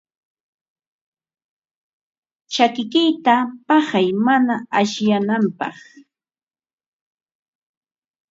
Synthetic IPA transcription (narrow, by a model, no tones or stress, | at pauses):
t͡ʃakɪkɪjt̪apɑhajmanaaʃjanampɑ̰χ